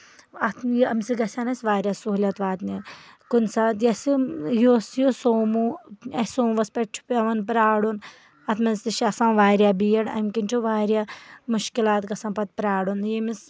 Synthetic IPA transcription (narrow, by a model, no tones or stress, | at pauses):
ɐt̪ʰjiɐmsiɡɐsʲanɐsʲʋaːɾʲjasuɦlʲɐt̪ʋaːt̪nikunsat̪jɐsijoːsjosoːmuɐsoːmʋɐspeʈ̚t͡ʃʰu̥pʲɐʋɐnpɾaːɽun | ɐt̪ʰmɐnst̪iʃiɐsãːmʋaːɾjabijɐɽɐ̰mʲkint͡ʃʰuʋaːɾjamuʃkilaːt̪kɐsɐ̃mpɐt̪̚pɾaːɽunjimis